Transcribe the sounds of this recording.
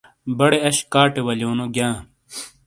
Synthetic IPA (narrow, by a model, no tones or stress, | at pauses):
bɐɽeɐɕkaːʈewɐljoːnoɡjãː